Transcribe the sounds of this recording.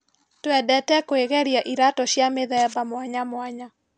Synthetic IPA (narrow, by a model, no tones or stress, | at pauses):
twɛdɛtɛkoeɣɛɾjaʔiɾatɔɕjameðɛːbamwaɲamwaɲa